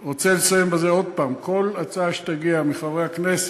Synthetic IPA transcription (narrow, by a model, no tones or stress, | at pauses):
ʁot͡selesajembezeo̞d̪̚paːmkʰo̞lat͡saʃe̥t̪aɡiamiχavʁehaknese̥